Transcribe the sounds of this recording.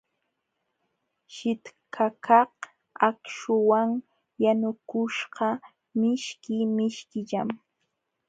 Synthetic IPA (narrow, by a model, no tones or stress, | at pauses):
ʃɪt̪kʰakɑh | akʃʊwaŋ | janʊkʊʃɢɑ | mɪʃkɪmɪʃkɪʎam